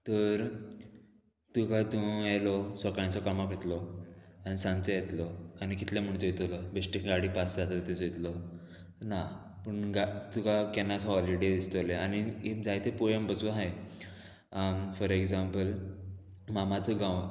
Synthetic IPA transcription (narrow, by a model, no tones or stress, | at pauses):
t̪əɾ | t̪ukat̪ũelɔsəkãnt͡sɔkamaket̪lɔañisãnt͡səjet̪lɔañikit̪lãm̤əɳt̪əjit̪ələbesʈikɡaɽipasd͡zat̪at̪ẽsjt̪lɔ | na | pəɳɡat̪ukakɛnasɦɔliɽed̪ist̪əleanied͡zajt̪epojempəsuɦaj | fɔɾeɡzampəl | mamat͡səɡãw